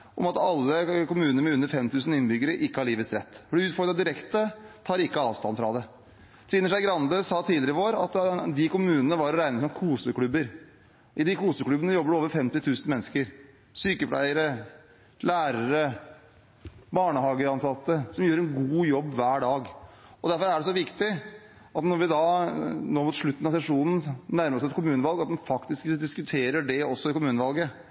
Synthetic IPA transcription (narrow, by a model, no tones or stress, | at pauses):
ʔɔmɑt̪ɑlːəkʊmʉːnəmɛʉnːəɾfɛmt̪ʰʉːsn̩ɪnbʏɡːəɾəʔɪkːəhɑɭiːʋət̪sɾɛ̰t̪ːfɔɖɪʉːt̪fɔɾɡɾɑd̪ɪɾɛkt̪ət̪ʰɑːɾɪkːəɑːʋst̪ɑnfɾɑd̪ɛ | t̪ʰɾiːnəʂæɪɡɾɑnd̪əsɑːt̪ʰiːlɪɾəʋoːɾɑ̰t̪d̪ɪkʊmʉːnənəʋɑɾɔɾæɪnəsɔmkʰuːsəkɽʉbəɾ | ʔɪd̪ɪkuːsəkɽʉbənəjɔbːəɖoːʋəɾfɛmt̪ɪt̪ʰʉːsn̩mɛnːəskəɾ | syːkəpʰlæ̰ɪəɾə | læːɾəɾə | bɑːɳəhɑːɡəɑnsɑt̪ːəsɔmjøːɾɛnɡuːjɔbːʋæːɖɑːɡɔd̪æɾfɔɾæɖɛsɔʋɪkt̪ɪ | ɑt̪nɔɾʋɪd̪ɑnoːmʊt̪ʂɭʉt̪ːnɑsɛʂuːnn̩næɾməɾɔsɛt̪kʰʊmʉːnəʋɑlˠɡɑt̪̚d̪ɛmfɑkt̪ɪskd̪ɪskʉt̪ʰeːɾəɖɛɔsːɔɪkʊmʉːnəʋɑlɡə